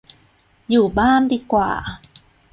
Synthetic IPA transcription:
juː˨˩baː˥˩ndiː˧kwa̰ː˨˩

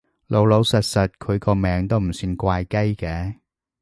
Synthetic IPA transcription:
lo˨˧wlo˨˧wsɐ˨t̚sɐ˨t̚kʰɵ˨˧ɥkɔː˧mɛː˨˥ŋt̪o˥wm̩˨˩siː˧nkʷaː˧jkɐ˥jkɛː˨˧

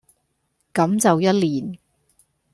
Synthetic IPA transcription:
kɐ˨˥mt͡sɐ˨wjɐ˥t̚liː˨˩n

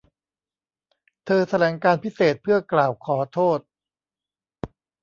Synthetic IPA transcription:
t̪ʰɤː˧t̪ʰa˧lɛː˩˦ŋkaː˧npʰi˦˥seː˨˩t̪̚pʰɯ˥˩ɐklaː˨˩wkʰɔː˩˦t̪ʰoː˥˩t̪̚

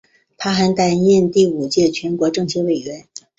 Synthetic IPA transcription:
pʰa˥xa˧˥nt̪a˥˩ɪjɛ˥˧nt̪i˥˩u˨˩t͡ɕjɛ˥˩t͡ɕʰɥɛ˧˥nkwɔ˧˥ʈ͡ʂɤ˥˧ŋt͡ɕʰɛ˥we˨˩ɪɥɛ˧˥n

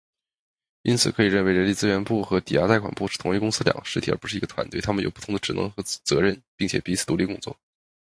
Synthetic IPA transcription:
i˥nt͡sʰɹ̩˨˩kʰɤ˧˥i˨˩ɻə˥˩nwe˧ɪɻə˧˥nli˥˩t͡sɹ̩˥ɥɛ˧˥npu˥˩xɤ˧˥t̪i˨˩ja˥t̪a˥˩ɪkʰwa˨˩npu˥˩ʂɻ̩˥˩t̪ʰʊ˧˥ŋy˥˩kʊ˥ŋs̩˥ljɑ̰˨˩ŋə˦ʂɻ̩ʰ˥i˨˩ə̰˞˧˥˩pu˧˥ʂɻ̩˥˩i˧˥ɡə˧t̪ʰwa˧˥nt̪wɪt̪ʰmə˩njo̰˨ʊpu˥˩t̪ʰʊ˧˥ŋd̪ə˧ʈ͡ʂɻ̩˨˩nɤ̰˧˥ŋxɤ˧˥t͡sɤ˧˥ɻə˥˩npi˥˩ŋt͡ɕʰjɛ̰˨˩pi˧˥t͡s̩ʰ˨˩t̪u˧˥li˥˩kʊ˥ŋt͡swɔ˥˩

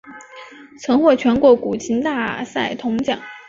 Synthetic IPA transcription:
t͡sʰɤ˧˥ŋxwɔ˥˩t͡ɕʰɥɛ˧˥nkwɔ˧˥ku˨˩t͡ɕʰi˧˥nt̪a˥˧sa˥˩ɪt̪ʰʊ˧˥ŋt͡ɕjɑ̰˨˩˦ŋ

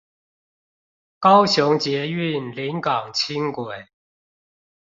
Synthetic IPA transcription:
kɑ˦ʊɕʊ˨˧˥ŋt͡ɕjɛ˨˧˦y˥˨nli˨˦nkɑ˨˩ŋt͡ɕʰi˦˥ŋkwe˨˩˦ɪ

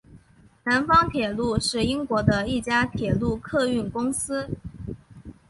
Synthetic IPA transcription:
na˧˥nfɑ˥ŋt̪ʰjɛ˨˩lu˥˧ʂɻ̩˥˩i˥ŋkwɔ˧˥d̪ə˧i˥˩t͡ɕja˥t̪ʰjɛ˨˩lu˥˧kʰɤ˥˧y˥˩nkʊ˥ŋsɹ̩˥

